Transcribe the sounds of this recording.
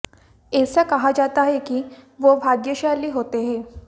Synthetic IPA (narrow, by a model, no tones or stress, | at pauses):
esəkəɦad͡ʒat̪aɦekiːʋobʱaɡjəɕaliːɦot̪eɦe